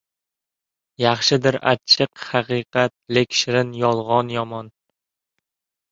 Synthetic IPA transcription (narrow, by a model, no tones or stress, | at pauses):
jɑχʃɪd̪ɪɾa̰t͡ʃʰɨqhɑqɨqɑt̪̚lekʲʃɾɪnjɒlˠʁɒnjɒmɒn